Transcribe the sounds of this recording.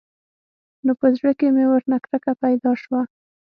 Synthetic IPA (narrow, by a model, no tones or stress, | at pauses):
nopəzɽəkemewəɾnakɾakapajd̪ɑʃwa